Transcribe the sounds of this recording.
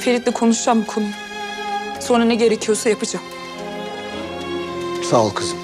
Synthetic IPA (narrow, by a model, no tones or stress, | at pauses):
feɾit̪lʲɛkʰonuʃamkʰun | sonanɛɟeɾecʲʰijosajapɯd͡ʒak | salˠkʰɯz